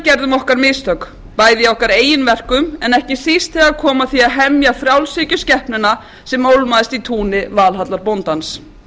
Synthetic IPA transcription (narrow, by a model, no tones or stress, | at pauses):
cɛɾðʏmɔhkaɾmɪst̪œk | paːjðɪjaɔhkaɾeːjɪnvɛr̥kʏmɛnɛhcɪθist̪θɛɣakʰɔːmaθiaðɦɛmjafɾjawlsɪcʏscɛhpnʏna | sɛmːowlmaðɪst̪it̪ʰuːnɪvaːlɦat̪laɾpownt̪ans